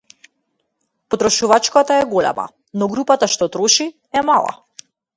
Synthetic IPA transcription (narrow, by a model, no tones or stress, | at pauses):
pɔt̪ɾɔʃuvat͡ʃkat̪aɛɡolɛ̰ma̰ | nɔɡɾupat̪aʃt̪ɔt̪ɾɔʃi | ɛmalˠa̰